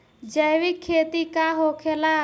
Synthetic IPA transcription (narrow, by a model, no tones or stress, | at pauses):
d͡ʒəjwɪkʰːeːt̪ikaɦoːkʰelaː